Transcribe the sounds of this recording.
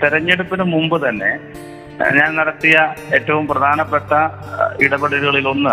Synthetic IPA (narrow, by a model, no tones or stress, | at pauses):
t̪iɾɐɲːeɽupːinɨmumbɨt̪ɐnːe̞̰ | ɲaːnnɐɽɐt̪ːijɐe̞ːtːɐʋumprɐd̪ʱaːnɐpːeʈːɐ | iɽɐbɐɽɐɾuɣɐɭilo̞nːɨ